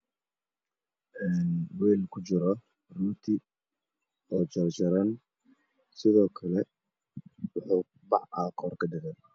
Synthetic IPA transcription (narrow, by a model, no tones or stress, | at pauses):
ʔɛːnwɛːlkʰʊt͡ʃɪɾɔ | ruːt̪ʰɪ | ɔːd͡ʒɐɾd͡ʒɐɾɐn | sɪðɔːkʰɐlɛ | wʊħuː | bɑʕɑːkʰɔrkʰɐdɪɣɛn